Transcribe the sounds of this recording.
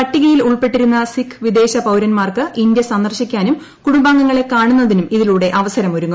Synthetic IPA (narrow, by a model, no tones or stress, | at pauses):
ɐʈːiɣɐjiluɭpe̞ʈːiɾunːɐsikʰːʋid̪e̞ːɕɐpɐwɾɐnmaːrkɨʔind̪jɐsɐnd̪ɐrɕikʲːaːnum | kuɽumbaːŋɡɐŋːɐɭe̞kaːɳunːɐðinumiðiluːɽe̞ʔɐʋɐsɐɾɐmoɾuŋːu